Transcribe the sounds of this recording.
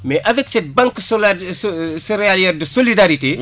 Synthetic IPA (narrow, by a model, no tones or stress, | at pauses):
mɛʔɐvɛksɛt̚bɐ̃ŋkːsl | siɾealjɛrdəsolidaɾite